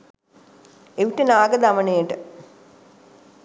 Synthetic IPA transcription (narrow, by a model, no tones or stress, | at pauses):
eʋiʈənaːɡəd̪amənejəʈə